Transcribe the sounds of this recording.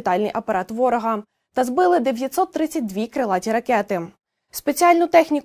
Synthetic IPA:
t̪ɑlʲnɪjʔɐpɐɾɑt̪ʋɔɾɔɦɐ | t̪ɐzbɪlˠɪd̪eʋʲjɐtʲsɔt̪ːɾɪt͡sʲːɐt̚ʲd̪ʋʲikɾelˠɑtʲiɾɐkɛt̪ɪ | spet͡sʲiɑlʲnʊt̪ɛxnʲik

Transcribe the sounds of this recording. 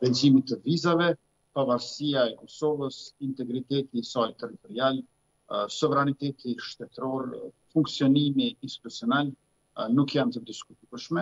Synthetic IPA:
ɾɛzimit̪əvizavɛ | pavaɾsiaɛkɔsɔvəsint̪ɛɡɾit̪ɛt̪isalt̪ɛɾit̪ɔɾial | sɔvɛɾanit̪ɛt̪iʃt̪ɛt̪ɾɔɾ | fuŋksiɔnimiːnst̪i̥t̪usiɔnal | nukjant̪əd̪iskut̪uəʃmɛ

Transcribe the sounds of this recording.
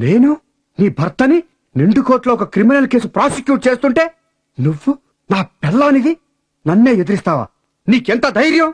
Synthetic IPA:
neːnu | niːbʱɐɾt̪ɐni | ɾeɳɖukoːʈloːɔkɐkɾiminɐlke̞ːs̬upɾaːsikjuːʈ̚t͡ʃe̞ːst̪uɳʈe̞ː | nuʋːu | naːpɛlːɐːniɡi | nɐnːe̞ːjed̪iɾist̪aːʋa̰ː | niːkɛnt̪ɐd̪ɐjɾjɐm

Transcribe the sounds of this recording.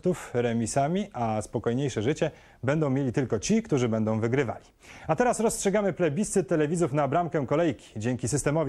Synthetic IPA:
t̪ufɾɛmʲisamʲiʔaspɔkɔjɲejʂɛʐɘt͡ɕɛ | bɛnd̪ɔ̃w̃mʲelʲit̪ɘlkɔt͡ɕikt̪uʐɘbɛnd̪ɔ̃w̃vɘɡɾɘva̰lʲi | at̪ɛɾasɾɔstʂɛɡamɘplɛbʲist̪ɘt̪ːɛlɛvʲizufnabɾamkɛkɔlɛjkʲi̥d͡ʑeŋkʲisɘst̪ɛmɔvʲ

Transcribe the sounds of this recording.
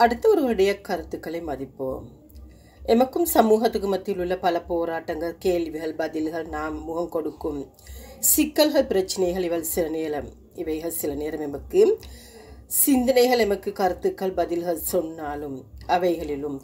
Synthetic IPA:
ɐɽɯt̪ːɐɔɾɯɐɾɪɽɐjɐkɐɾɯt̪ːɯkːɐɭɐɪmɐðɪpːo̰ːm | ɛmɐkːɯmsɐmuːɦɐt̪ːɯɣɯmɐt̪ːɪlɯɭːɐpɐlɐpoːɾaːʈːɐŋɡɐɭkeːlʋiɣɐɭbɐðɪlɣɐɭnaːmmuːɣɐmkɔɽɯkːɯm | sɪkːɐlɣɐɭpɪɾɐt͡ʃːɪnɐɪɣɐɭɪʋɐlsɪlɐneːɾɐm | ɪʋɐɪɣɐɭsɪlɐneːɾɐmɛmɐkːɯ | sɪnd̪ɐnɐɪɣɐɭɛmɐkːɯkɐɾɯt̪ːɯkːɐɭbɐðɪlɣɐɭsɔnːaːlɯmɐʋɐɪɣɐɭɪlɯm

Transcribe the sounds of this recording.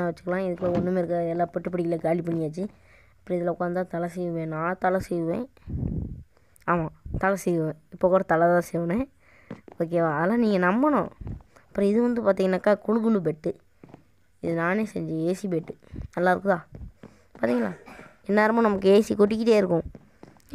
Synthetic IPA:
ãʋɐt͡ʃːɯ̥kːɐlãːɪðɯkːloɔnːɯmeːɪɾɯkːɾaɛlːãːpɛʈːɯpːɐɽɪkːɪlekaːlɪp̬ːɐɳːɪjaːt͡ʃːi | ɐpːɯɾɐ̃ɪðɐlɛɔkːaːnt̪ːãːt̪ɐlɐsɛjʋɯʋẽːnãːt̪ɐlɐsɛjʋɯʋḛ̃ː | aːmãːt̪ɐlɐsɛjɯʋẽːɪpːoːkuːɽɐt̪ɐlɐt̪ãːsɛjʋɐnẽ | oːk̬ːeːʋãɐðlaːniːŋɡɐnɐmbɐnʊ̰̃ɐpːɯɾɐ̃ɪðɯʋɐnd̪ɯpaːɾt̪̬iːŋɡɐnaːkːaːkʊɻʊɣɯlɯpɛʈːɯ | ɪðɯnaːneːsɛ̰ɲd͡ʒɯeːsip̬eʈːɯnɐlːaːɪɾɯkɯ̃t̪ãː | paːɾt̪iːŋɡɐla̰ː | ɛnːaːɾɯmãːnɐmɐkːɯeːsikɔʈ̬ːɪkːɪʈːeːɪɾɯkːʊ̃

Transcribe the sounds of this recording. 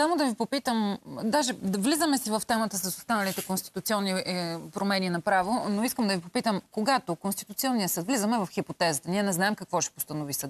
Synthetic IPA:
samod̪ɐvipopit̪əmd̪aʒɛvlizəmɛsivɐft̪ɛmət̪əsɐsost̪anəlit̪ɛkonst̪i̥t̪ʊt̪siɔnːipɾomɛninɐpɾavonoiskəmd̪ɐvipopit̪əmkoɡat̪okonst̪i̥t̪ut̪siɔnːijəsɤt̪vlizəmɛvɐfxipot̪ɛzət̪əniɛnɛznaɛmkɐkvɔʃɛ̥post̪ənovisə

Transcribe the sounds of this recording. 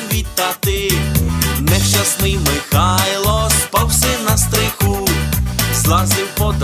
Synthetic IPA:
ʋʲit̪ːat̪ɪ | nɛʃt͡ʃasnɪjmɪxajlˠɔspawsɛnɐst̪ɾɪxu | zlˠazɪwpɔd̪

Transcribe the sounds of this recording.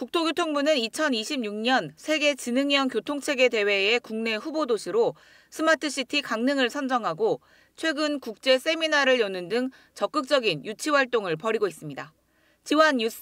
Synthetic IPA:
kuk̚tʰoɡjotʰoŋbunɯnit͡ɕʰʌniɕʰib̚ɲuŋɲʌnsʰe̞ɡe̞t͡ɕinɯŋjʌŋkjotʰoŋt͡ɕʰe̞ɡe̞de̞we̞ekuŋne̞ɸubodoɕʰiɾo | sʰɯmatʰɯɕ͈itʰikaŋnɯŋɯɭsʰʌnd͡ʑʌŋɦaɡo | t͡ɕʰwe̞ɡɯnkuk̚t͡ɕ͈e̞s͈e̞minaɾɯɭjʌnɯndɯŋ | t͡ɕʌk͈ɯk̚t͡ɕ͈ʌɡinjut͡ɕʰiwaɭt͈oŋɯɭpʌɾiɡois͈ɯmɲida | t͡ɕiwʌnjus

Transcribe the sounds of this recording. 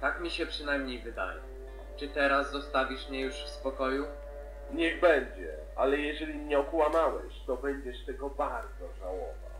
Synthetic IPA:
t̪akmʲiɕɛpʂɘnajmɲejvɘd̪a̰jɛ̰ | t͡ʂɘt̪ɛɾasːɔst̪avʲiʂmɲɛjuʂfspɔkɔju | ɲɛɣbɛɲd͡ʑɛ̰ | ʔalɛjɛʑɛlʲimɲɛɔkwamawɛ̰ɕt̪ɔbɛɲd͡ʑɛʂt̪ɛɡɔbaɾd̪zɔʐawɔ̰va̰

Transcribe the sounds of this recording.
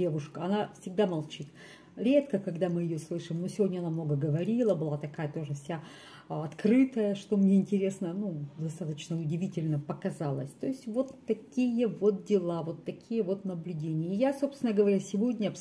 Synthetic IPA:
evʊʂkəɐnafsʲɪɡ̚d̪amɐlˠt͡ɕit̪ | ɾʲe̞t̪kəkɐɡd̪amɨjɪjoslˠɨʂɨmnosʲɪvʲodʲnʲɐnamno̞ɡəɡəvɐɾʲilˠəbɨlˠat̪ɐkajət̪o̞ʐɨfsʲa | ɐt̪kɾɨt̪əjəʂt̪omnʲeɪnʲtʲɪɾʲe̞snənud̪ɐst̪at̪ət͡ɕnəʊdʲɪvʲitʲɪlʲnəpəkɐzalˠə̰sʲt̪o̞ɪsʲtʲvo̞t̪ːɐkʲijəvo̞t̪̚dʲɪlˠavo̞t̪ːɐkʲʰijəvo̞t̪nəblʲʉdʲenʲɪjəɪjaso̞pst̪ʲɪnəɡəvɐɾʲasʲɪvo̞dʲnʲəɐps

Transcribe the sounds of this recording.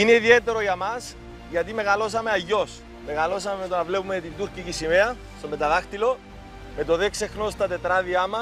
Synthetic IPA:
ineiðie̞t̪e̞ɾo̞ʝɐmɐs | ʝɐt̪ime̞ɣɐlo̞s̬ɐme̞ɐʝːo̞s | me̞ɣɐlo̞s̬ɐmemet̪onɐvle̞pumet̪ind̪uɾcicisimeɐ | st̪ome̞t̪ɐðɐxt̪ilo̞ | me̞t̪o̞ðekse̞xno̞st̪ɐt̪e̞t̪ɾɐðiɐmɐ

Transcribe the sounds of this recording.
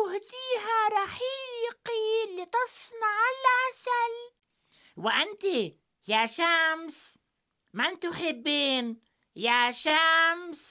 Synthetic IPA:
hd̪iːɦaɾˤɑħiːqilːit̪ɨsˤnɑʕalʕasal | wɪʔant̪i | jaʃams | mant̪ʊħɪbːiːn | jaʃams

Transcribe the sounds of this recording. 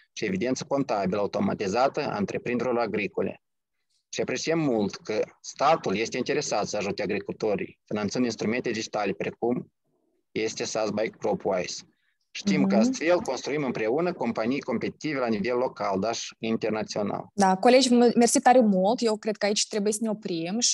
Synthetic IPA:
ʃie̞vid̪ent̪sə̥ko̞nt̪abʲiləaut̪o̞ma̰t̪izat̪əa̰ɨnt̪ɾʔe̞pɾind̪eɾoraɡɾiko̞lʲe̞̰ | ʃiapɾe̞sijəmːult̪kəst̪at̪ulje̞st̪eint̪e̞ɾe̞sat̪səaʒut̪eaɡɾikult̪o̞ɾḭjfinant̪sɨnd̪inst̪ɾume̞nt̪e̞d̪id͡ʒit̪alʲe̞pɾe̞kum | je̞st̪esasbajk̚pɾopajs | ʃt̪imkəast̪fe̞lko̞nst̪ɾuimɨmpɾe̞unəko̞mpanijko̞mpe̞t̪i̥t̪ive̞lanive̞lːo̞kald̪aʃint̪e̞rnat̪sio̞na̰ld̪akole̞d͡ʒʲmersit̪ːaɾemult̪jewkɾed̪̚kəait͡ʃʲt̪ɾebujesəneopɾimʃ

